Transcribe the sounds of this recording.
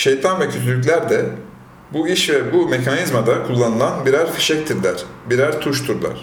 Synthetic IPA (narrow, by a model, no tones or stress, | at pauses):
ʃejt̪ʰanvɛcʰøt̪ʰylʲyc̬lʲæɾd̪ɛ | buiʃvɛbume̞cʰanizmad̪akʰulˠːanɯlˠanbiɾæɾfi̥ʃɛc̚t̪ʰiɾlʲæɾ̥biɾæɾt̪ʰuʃt̪ʰuɾlˠa̰ɾ̥